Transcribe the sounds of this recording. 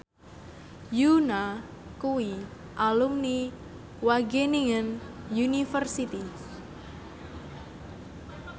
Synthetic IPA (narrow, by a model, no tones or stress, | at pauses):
juna | kuwi | ʔalumni | waɡeniŋənjunifərsit̪i